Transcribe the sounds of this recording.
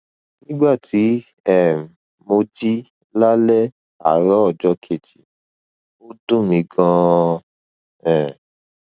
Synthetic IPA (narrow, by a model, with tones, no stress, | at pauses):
nĩ˦ɡ͡ba˦˨tʰi˨˦ | ɛ˦˨ | mo˧d͡ʒi˦ | la˦lɛ˦ | a̰˨˦ɾɔ˦ɔ˦˨d͡ʒɔ˧˦kʰe˨d͡ʒi˨ | o˦dũ˦˨mĩ˨˧ɡã˧ | ɛ̃˨